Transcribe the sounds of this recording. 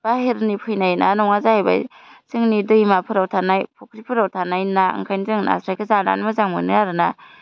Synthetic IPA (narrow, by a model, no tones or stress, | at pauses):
b̥aɦeɾnipʰɯjnajnʔa̰nɔŋazahajba̰jsɯŋnidɯimapʰɯɾawtʰanajpʰɔkʰɾipʰɯɾawtʰanajna̰ŋkʰajnzɯŋna̰sɾajkʰɯzana̰nmazaŋmɯninaɾɯna